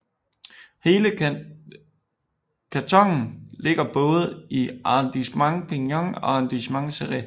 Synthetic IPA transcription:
he̝ːlə | kʰæt͡sʰɒ̽ŋ̰n̩le̝ɡ̥ɐb̥ɔ̽ːðˠəiɑnd̥ismɑ̈ŋpʰinjɒŋɒ̽ɑnd̥ismɑ̈ŋseʁi

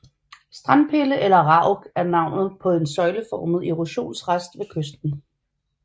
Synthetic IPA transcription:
sd̥ʁɑnpʰe̝ləʔelɐʁɑ̈ʊɡ̥æɐnɑ̈ʊ̰nð̩ˠpʰɒ̽densɒ̽ɪləfɒːməð̩ˠeʁuɕo̝̰ːnsʁasd̥ʋe̝kʰøsd̥n̩

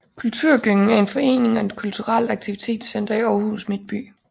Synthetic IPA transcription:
kʰult͡sʰuɐ̰ɡ̥øŋn̩æɐe̝nfɒ̽e̝̰ːne̝ŋɒe̝d̥kʰult͡sʰuʁal̰̥ɑ̈ɡ̥̚t͡sʰiʋit͡sʰe̝̰ːd̥sen̰d̥ɐiɒːhṵsmed̥̚b̥y̰ː

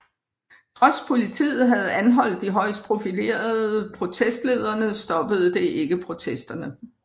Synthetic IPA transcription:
t͡sʰʁɒ̽spʰo̝lit͡sʰḭːð̩ˠɦæð̞̩ˠænɦɒ̽l̰d̥iɦɒ̽ɪ̰sd̥̚pʰʁo̝file̝̰ːɐðˠəpʰʁo̝t͡sʰesd̥le̝ːð̞ˠɐnəsd̥ɒ̽b̥əð̞̩ˠd̥e̝ʔe̝ɡ̥əpʰʁo̝t͡sʰesd̥ɐnə

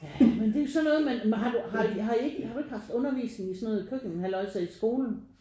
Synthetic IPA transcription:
jmend̥e̝osɒ̽nːɔ̽ːð̩ˠmænmɦɑ̈d̥uɦɑ̈duɦɑ̈ue̝ɡ̥jhɑ̈ɾue̝ɡ̥hɑ̈fd̥ɔ̽nɐʋḭːsne̝ŋisɒnɔ̽ːð̩ˠkʰøɡ̥eŋɦælɒ̽sɛisɡ̥o̝ːln̩

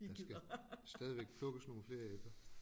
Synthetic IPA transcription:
dɑsɡ̥æsd̥ɛːð̞ˠiʋeɡ̥̚pʰlɔ̽ɡ̥əsno̝ːn̩fle̝ːɐefd̥ɐ

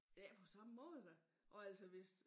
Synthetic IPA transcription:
j̥æpʰɒ̽sɑ̈məmɔ̽ːð̩ˠd̥æ | ʔɒ̽æl̰sɒʋe̝s

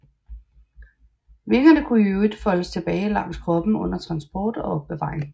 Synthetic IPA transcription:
ʋe̝lɡ̥ɐnəkʰuøid̥fɒ̽ləst͡sʰe̝b̥ɛːɪlɑ̈ŋ̰skʰʁɒ̽b̥m̩ɔ̽n̰ɐt͡sʰʁɑ̈nsb̥ɒːd̥ɒ̽ɒ̽b̥̚ːeʋɑ̰̈ːʁeŋ

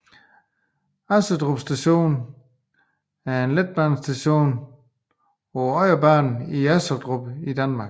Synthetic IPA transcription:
ɑsɐd̥ʁob̥sd̥æɕo̝̰ːn | æɐe̝nled̥̚b̥ɑnsd̥æɕo̝̰ːn | ɒɒɪ̰ɐbɑ̰̈ːnn̩iæsɐd̥ʁob̥id̥ænmɑ̈ːɡ̥

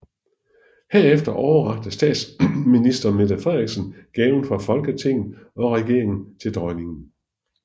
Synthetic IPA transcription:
heɐ̰efd̥ɐʔɒʊɐʁɑ̈ɡ̥̚d̥əsd̥ɛ̰ːd̥sminisd̥ɐmed̥æfʁɛʁiɡ̥sən̩ɡ̥ɛːʊn̩fʁɑ̈fɒ̽lɡ̥ət͡sʰe̝ŋ̰ð̩ˠ | ɒ̽ʁɛɡ̥e̝ɐ̰e̝ŋn̩t͡sʰe̝ld̥ʁɒɪne̝ŋn̩

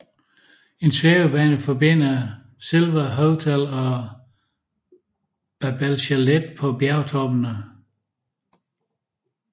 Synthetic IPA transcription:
e̝nsʋeːbəb̥ɛːnəfɒbe̝n̰ɐ | se̝lʋɐɦoʊt͡sʰælɒ | b̥æb̥ælɕæled̥̚pʰɒ̽b̥jæɐʊt͡sʰɒ̽b̥ənə

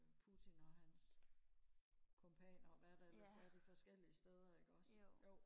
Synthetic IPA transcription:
pʰut͡sʰinɒ̽ɦæns | kʰompʰɛ̰ːnɐɒʋæɐd̥æsɒæɐd̥ifɒ̽sɡ̥el̰iəsd̥eð̞ˠɐe̝ɡ̥ɒ̽s

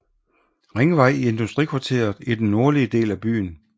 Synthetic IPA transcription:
ʁeŋəʋɑ̈ɪ̰ie̝nd̥usd̥ʁḭkʰʋɑ̈t͡sʰe̝̰ːɐðˠid̥enːo̝ɐliəd̥e̝̰ːlæb̥y̰ːn̩

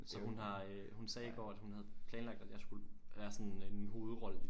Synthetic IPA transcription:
sɒ̽hunɦɑ̈ | hunsɛːiɡ̥ɒ̰ːæd̥hunhæð̞̩ˠpʰlɛːnlɑɡ̥̚d̥æd̥jɑ̈ɪsɡ̥uləʋæːɐsɒ̽nnnɦo̝ːð̩ˠʁɒ̽lə

